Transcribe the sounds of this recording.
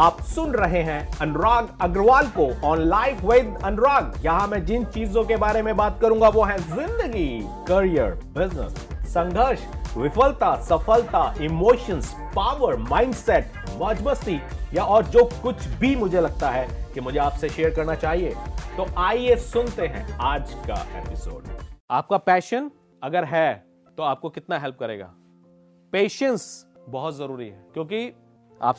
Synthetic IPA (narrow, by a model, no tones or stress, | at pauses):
aːpsʊnɾɐɦeɦɛ̃ɐnɾaːɡɐɡɾʋaːlkoɔːnlaːɪfʰʋeːɪd̪ɐ̃nɖɾaːɡjɐɦãmɛ̃d͡ʒɪnt͡ʃiːzõkebaːɾemẽbaːt̪̚kɐɾũːŋɡaʋoɦɛ̃zɪ̃nd̪əɡi | kɐɾijə̰ɾ | bɪznə̰sː | ɐ̃ŋɡʱəɾʃʋɪfəlt̪asɐfəlt̪aʔɪmoːʃəns | paːʋəɾmãːɪ̃ɳɖsɛʈ̚ | ʋɐːd͡ʒbəst̪ijaɔːɾd͡ʒoːkʊt͡ʃʰbʱimʊd͡ʒʱelɐɡ̚t̪aɦɛkimʊd͡ʒʱeaːpseʃeːəɾkɐɾnat͡ʃaːɦiet̪oʔaːiesʊnt̪eɦɛ̰̃aːd͡ʒka̰ḛːpɪso̰ːɖaːp̚kapɛːʃən | ɐɡəɾɦɛ | t̪oaːp̚kokɪt̪naɦɛlp̚kɐɾḛːɡa̰ː | peːʃə̃ns | bɐɦʊt̪zɐɾuːɾiɦɛːkjõːk̬i | a̰ːp